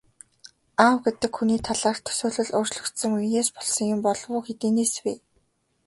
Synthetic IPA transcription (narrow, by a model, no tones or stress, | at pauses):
awɡet̪ɘ̆kxuniːt̪ʰaɮaːr̥t̪ʰɵ̥sʊːɮɵ̆ɮoːrt͡ɕɮɵ̆kt̪sə̆ŋujeːspɔɮsɞ̆ŋjʊmpɔɮwʊːxet̪iːneːsweː